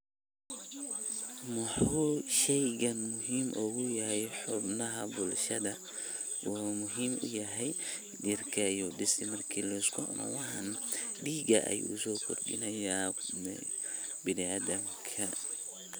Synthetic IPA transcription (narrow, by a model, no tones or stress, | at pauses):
mɐħuːʃɛjɣɐnmʊɦiːmʔɔɣʊjɐɦɛjħʊbnɐɦɐbʊlʃɐðɐ | wɔmʊɦiːmʊ̰jɐɦɛj | dirkʰɐjuːɗɪsɪmɐrkʰiːlɐɪskʰʊʔɔ̰nʔɔ̰wɑħɐnɗiːɡɐ̰ʔɐ̰jṵːsɔːkʰɔrɗɪ̰nɐjaː | bɪniaːd̪ɐm | kʰɐ